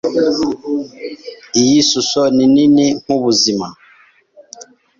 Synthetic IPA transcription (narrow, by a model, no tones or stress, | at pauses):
ijisusɔnininiŋuβuzima